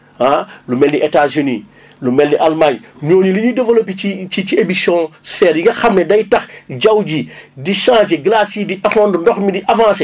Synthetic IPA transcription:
alumɛlniʔetaːzyni | lumɛlniʔalmaɲɲoːɲiliɲidɐvəlopiit͡ʃit͡ʃiebisjɔ̃sfɛːɾjiŋɡɐxɐmnɛdɐjtɐxɟɐwɟidiʃãːd͡ʒiɡlasidiʔɛfɔndundɔxmidiʔavãːse

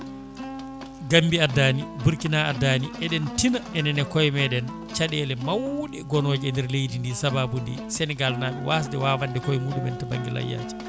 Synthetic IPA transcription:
ɡambiadːaːnibuɾkinaadaːniʔɛɗɛntinaɛnɛnɛkɔjmɛɗɛn | t͡ʃaɗɛlɛmawɗɛɡɔnoːd͡ʒɛndɛɾlejdindisababundḭsɛnɛɡalnaːɓɛwaːs̬dɛwaːwandɛkɔjmuɗumɛntɛba̰ŋɡḭla̰ja̰d͡ʒi̥

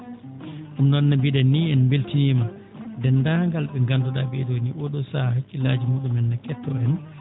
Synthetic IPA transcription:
ɗumnɔnːabiɗanːiɛnmbeltinima | dɛnːdaŋɡalɓɛŋɡandɔɗabɛdoniʔɔɗɔsahakːilaːd͡ʒimuːɗumɛnːakɛtːɔɛn

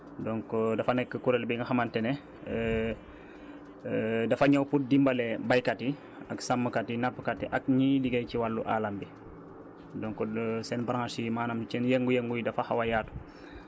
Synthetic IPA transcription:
dɔŋkɔdɐfanɛkːəkuɾɛlbiŋɡɐxɐmantɛnɛ | dɐfaɲawput̚dimbalɛbajkati | aksamːəkatinapːəkatːiʔak̚ɲidiɡɐjciwalːuʔa̰ːlambi | dɔŋkɔsɛnbaɾaŋasimaːnamt͡ʃɛnjɛŋɡujɛŋɡujidɐfaxawajaːtu̥

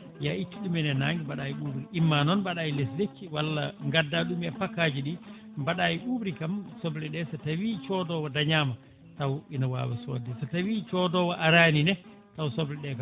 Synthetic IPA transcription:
jait͡ʃːiɗumɛnɛnaŋɡibaɗajiɓuːbɾiʔimːanɔnbaɗajileslet͡ʃːiwalːaŋɡadːaɗumɛpakːaːd͡ʒiɗi | baɗaːjiɓuːbɾikamsɔblɛɗɛsatawit͡ʃɔdɔwadaɲaːma | tawinawa̰ːwaso̰ːdɛsatawit͡ʃɔdɔwaʔaɾaːninɛ | tawsɔblɛɗɛka

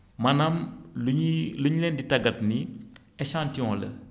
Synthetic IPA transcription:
mɐnɐm | luɲlɛːnditɐɡɐtni | ɛʃãːntiɔ̃ːlə̰

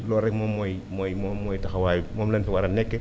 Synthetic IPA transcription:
loɾekmomoj | mojmomojtakawajmomlansiwaɾanekːe

